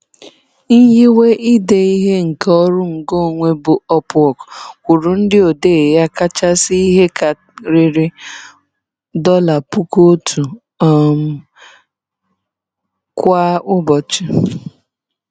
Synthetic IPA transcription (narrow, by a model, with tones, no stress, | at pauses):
n̩˦ji˦we˦ʔi˦de˨i˦ɦe˦ŋ̩˨kɔ˦ɾʊ˦ŋ̩˨ɡo˦˨ŋʷe˦bʊ˨ɔ˦pʊ˦ɔ˨kkʷu˨ɾu˨n̩˦dɪ˦o˨de˦˨ja˦ka˦t͡ʃa˦si˦i˦ɦe˦ka˨ | ɾi˨ɾɪ˦ | dɔ˦la˨pu˦ko˦tʰu˨ | ɔ˦˨m̩˦ | kʷa˦ʊ˦bɔ˨t͡ʃi˦